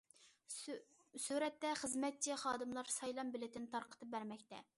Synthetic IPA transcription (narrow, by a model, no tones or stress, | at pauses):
suɾɛt̪ːɛχəzmɛt̪̚t͡ʃʰiχɑːd̪ɨmlˠɑɾsɑjlˠɑmbɪlɪt̪ɪnt̪ʰɑɾqʰə̥t̪ʰɨp̚bæɾmɛkʲt̪ɛ